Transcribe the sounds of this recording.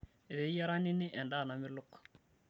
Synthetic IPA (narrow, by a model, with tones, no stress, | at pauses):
e˨βe˨˦ja˦ɾa˦ni˦ni˦ʔɛ˨nda˦˨na˨mɪ˦lʊ˦k